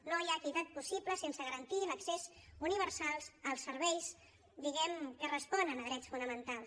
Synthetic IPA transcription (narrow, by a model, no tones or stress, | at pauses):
nojak̪it̪at̪̚pusipləsensəɣəɾənt̪iləksezuniβ̞əɾsalˠzəlˠsːəɾβɛjs | d̪iɣɛmkərəspɔnənəðɾɛt͡sfunəmənt̪alˠs